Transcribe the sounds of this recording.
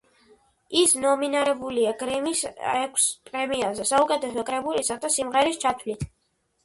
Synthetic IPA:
isnɔminaɾɛbuliaɡɾɛmisɛkʷʰspʼɾɛmiazɛsaukʼɛt̪ʰɛsɔkʼɾɛbulisat̪asimʁɛɾist͡ʃʰat̪ʰvlit̪ʰ

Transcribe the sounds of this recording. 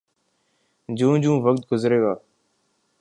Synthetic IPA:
d͡ʒũːd͡ʒũːʋək̚t̪̚ɡʊzɾeːaː

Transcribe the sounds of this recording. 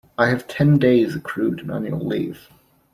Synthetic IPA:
aɪɨv̥tʰɛ̃ndeɪzɨkʰɹ̥ʉɾɨ̃næ̰̃njʉəl̩ˠḭv̥

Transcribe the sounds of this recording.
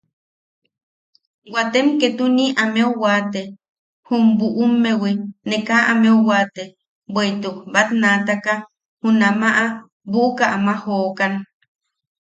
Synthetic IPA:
wat̪emket̪uniʔameuwat̪e | humbuʔumːewinekaʔamewwat̪e | bwejt̪ubat̪nat̪aka | hunamaʔa | buʔukaʔamahoːkan

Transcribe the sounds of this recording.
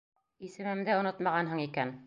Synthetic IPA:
isɘ̆mɘ̆md̪æŏnot̪mɑʁɑnɦɤɴikæn

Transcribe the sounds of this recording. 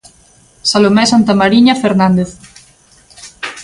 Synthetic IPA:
salomɛsant̪amaɾiɲafeɾnãnd̪eθ

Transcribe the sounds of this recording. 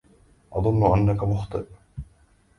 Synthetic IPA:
ʔɑðˤʊnːʊʔanːakamʊxt̪ˤɨ̰ɾ

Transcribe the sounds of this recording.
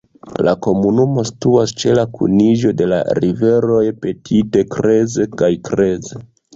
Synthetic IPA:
lako̞munumo̞si̥tuast͡ʃe̞lakʰṵniʒo̞de̞la̰ɾive̞ɾo̞jpe̞tʰite̞kɾe̞ze̞kajkɾe̞ze

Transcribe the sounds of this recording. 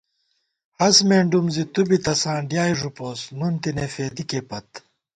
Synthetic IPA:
hɐsmeːɳɖumzit̪ubit̪ɐsãːɳɖjaːjʐupoːsnunt̪inefeːd̪ikepɐt̪

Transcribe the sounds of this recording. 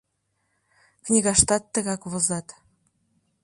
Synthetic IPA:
knʲiɣɑʃt̪ɑt̪ːɤ̆ɣɑkβɤ̆zɑt̪

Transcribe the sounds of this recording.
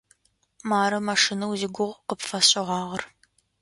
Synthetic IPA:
maːɾɐmɐʂinɐwzɪɡʷʊʁqəpfɐɕʼɪʁɑːʁɐr

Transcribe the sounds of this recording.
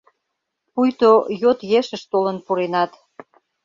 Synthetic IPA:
pujt̪ojot̪jeʃə̆ʃt̪olənpuɾenɑt̪

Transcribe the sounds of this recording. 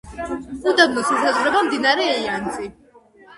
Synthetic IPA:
ud̪abnɔsmɛsazʁɾɛbamd̪inaɾɛːiant̪sʼi

